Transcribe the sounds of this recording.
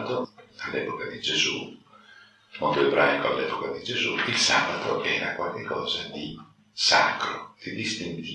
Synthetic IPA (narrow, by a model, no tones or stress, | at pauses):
t̪oalːɛːpokad̪id͡ʒezu | mont̪oebɾʔajkoalːɛːpokad̪id͡ʒezuilsaːbat̪o̰ʔɛːɾakwalkekʰːɔːzad̪i | sa̰kɾod̪id̪ist̪i